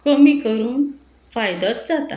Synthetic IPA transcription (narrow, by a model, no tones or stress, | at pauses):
kəmikəɾuːn | fajd̪ət̪̚d͡zat̪a